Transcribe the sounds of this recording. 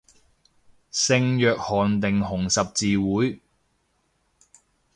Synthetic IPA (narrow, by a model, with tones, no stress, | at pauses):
sɪ˧ŋjœː˨k̚hɔː˨˩nt̪ɪ˨ŋɦʊ˨˩ŋsɐ˨p̚t͡siː˨wuː˨˥j